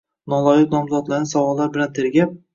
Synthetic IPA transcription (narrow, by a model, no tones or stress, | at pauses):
nɒlˠɒjɪt̪nɒmzɒd̪laɾnɪsavɒlːaɾbɪlant̪ʰɪɾɡʲap̚